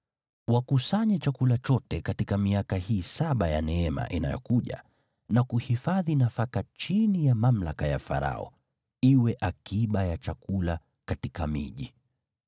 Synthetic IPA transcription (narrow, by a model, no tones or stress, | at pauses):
wakusaɲɛt͡ʃakulat͡ʃɔtɛkatikamiakahiːsaɓajanɛɛma̰ʔina̰jɔ̰kuʄa̰ | nakuhifaðinafakat͡ʃinijamam̩lakaja̰fa̰ɾa̰ɔ̰ | iwɛʔakiɓajat͡ʃakula | katikamḭʄi